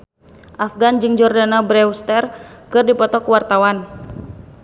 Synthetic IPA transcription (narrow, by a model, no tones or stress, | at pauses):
ʔafɡand͡ʒɨŋd͡ʒɔrdanabɾɛust̪ɛrkɨrdipɔt̪ɔkuwart̪awan